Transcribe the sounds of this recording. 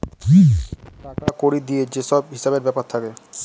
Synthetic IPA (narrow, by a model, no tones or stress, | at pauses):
kiʈakakoɾid̪ied͡ʑeʃɔb̚ɦiʃabeɾbɛpaɾt̪ʰake